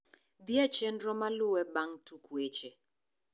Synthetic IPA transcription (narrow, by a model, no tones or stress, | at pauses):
d̪jat͡ʃendɾɔmalʊwɛbaŋtukwet͡ʃe